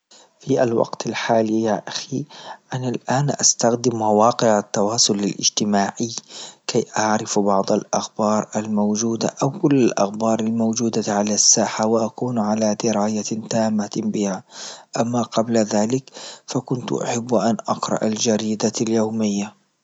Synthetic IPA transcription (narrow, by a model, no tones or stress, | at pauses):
fiʔalwɑ̰qt̪alħaːlijaːʔaxiʔanalʔaːnʔa̰st̪axd̪ɪmːawɑːqɪʕat̪ːɑwɑːsˤʊlalʔɪ̰d͡ʒt̪ɪmaːʕɪkʰajʔaʕɾɪfbɑʕd̪ˤɑlʔaxbɑːɾˤalmowd͡ʒuːd̪a̰ʔawkʊlːalʔa̰xbɑːɾˤalmowd͡ʒuːd̪aʕalasːaːħawɪʔakuːnʕalad̪ɪɾaːjat̪aːmːabɪhaʔamːaqɑblaðaːlɪkfakʊnt̪ʔa̰ħabːʔanʔɑqɾˤɑ̰ʔald͡ʒaɾiːd̪aljoːmɪjːa